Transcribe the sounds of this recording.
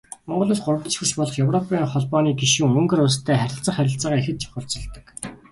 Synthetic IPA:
mɔɴɢɞ̆ɮoːsɢʊr̆wt̪̆t͡ɕxɵ̆rt͡ɕpɔɮɞ̆χjɵwrɔpʰiːɴχɔɮpɔːniːɡiʃĭŋɵŋɡɵ̆rʊst̪ʰæːχæɾʲɪ̆ɬt͡sə̆χæɾʲɪ̆ɬt͡saːʁaːexɘ̆t̪̚t͡ɕʰɔ̥χʊ̆ɬt͡sɞ̆ɮt̪ə̥̆k

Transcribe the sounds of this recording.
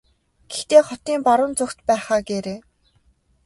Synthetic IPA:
ɡ̥ext̪eːχɔt̪iːmpaɾʊ̆nt͡sʊkt̪pæːχaːɡeɾeː

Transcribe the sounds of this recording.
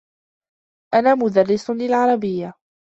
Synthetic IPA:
ʔanaːmʊd̪ɑrːɪslɪlʕɑɾˤɑbɪjːa

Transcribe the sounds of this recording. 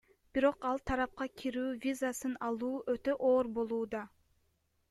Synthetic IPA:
b̥iɾo̞qɑlˠt̪ʰɑɾɑp̚qɑkʲʰiɾyːvʲizasɯnɑlˠuːʔøt̪ø̞ʔoːɾbo̞lˠuːd̪ɑ

